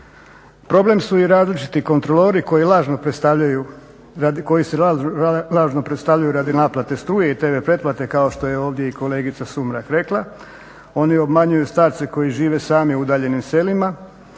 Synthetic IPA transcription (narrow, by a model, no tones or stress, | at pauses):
pɾo̞ble̞msuiɾaːzlit͡ʃi̥t̪iko̞nt̪ɾo̞loɾiko̞jilˠaːʒno̞pɾest̪aʋʎaju | ko̞jiselaːʒno̞pɾet̪st̪aʋʎajuɾad̪inaːplˠat̪e̞st̪ɾuːjeit̪e̞ʋe̞pɾe̞t̪̚plˠat̪e̞kaoʃt̪o̞je̞o̞ːʋd̪je̞iko̞le̞ːɡit̪sasumɾakɾe̞klˠa | o̞nio̞bmaɲujust̪aːɾt̪se̞ko̞jiʒiːʋe̞saːmiuud̪aːʎe̞nimse̞lima